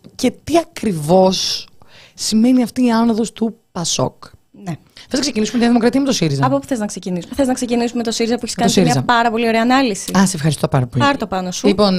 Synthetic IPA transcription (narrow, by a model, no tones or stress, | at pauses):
ce̞t̪iɐkɾivo̞sː | ime̞niɐft̪iːɐnoðo̞st̪upɐso̞̰k | ne | θeznɐksecinisumeinðimokɾɐt̪iɐmet̪o̞siɾizɐɐpopu̥θeznɐkse̞cinisumeθeznɐkse̞cinisumet̪osiɾizɐpueçiskɐossiɾmiɐzɐpɐɾɐpo̞lioɾeɐːnɐlisiɐsefxɐɾist̪opɐ̰ɾɐpolɐɾt̪opɐnosulipon